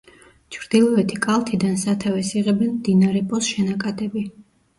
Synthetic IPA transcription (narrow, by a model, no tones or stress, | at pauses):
t͡ʃʰɾd̪̥ilˠɔɛt̪ʰikʼalˠt̪ʰid̪ansat̪ʰavɛsiʁɛbɛnmd̪inaɾɛpʼɔsʃɛnakʼat̪ʼɛbi